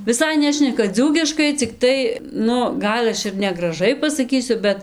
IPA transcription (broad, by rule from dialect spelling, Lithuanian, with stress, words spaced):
ʋʲɪˈsɐɪ ˈnʲæːʃʲnʲɛkɐ ˈd͡zuːkʲɪʃkɐɪ t͡sʲɪkˈtɐɪ ˈnʊ ˈɡɐlˠ ɐʃ ɪr nʲɛɡrɐˈʒɐɪ pɐsɐˈkʲiːsʲʊ ˈbʲɛt